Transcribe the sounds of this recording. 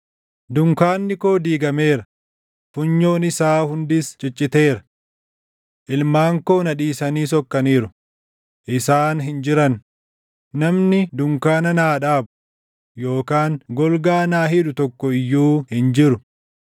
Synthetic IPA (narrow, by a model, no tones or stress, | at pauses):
d̪ʊŋkaːnːɪko̞ːd̪iːɡɐmeːɾɐ | fʊɲːo̞ːnɪsaːhʊnd̪ɪst͡ʃʼɪt͡ʃʼːɪt̪e̞ːɾɐ̥ | ʔɪlmaːŋko̞ːnɐᶑiːsɐniːs̬ɔkːɐniːɾʊ | ʔɪsaːnɦɪnd͡ʒɪɾɐn | nɐmnɪd̪ʊŋkaːnɐnaːᶑaːbʊ | joːkaːŋɡɔlɡaːnaːɦɪᶑʊt̪ɔkːɔɪjːuːhɪnd͡ʒɪɾʊ